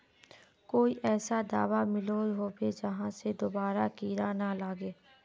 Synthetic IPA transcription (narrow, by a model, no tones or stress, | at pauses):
koːiʔɛːsad̪aːʋamɪloɦoːbed͡ʒɐɦãsed̪oːbaːɾakiːɾanalaːɡeː